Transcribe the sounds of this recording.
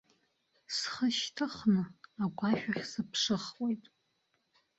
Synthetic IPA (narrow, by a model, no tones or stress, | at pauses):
sχəʃtʰɨχnɨaɡʷʼaʃᶣaχʲsɨpʰʂɨχwejtʼ